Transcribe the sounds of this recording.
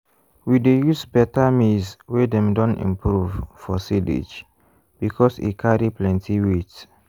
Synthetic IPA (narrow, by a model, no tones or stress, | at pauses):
widejusbɛtamizwedɛ̃mdɔ̃nḭ̃mpɾuvfɔsidḭd͡ʒ | b̥ikʰɔsḭkʰaɹiplɛ̃ntʰiwits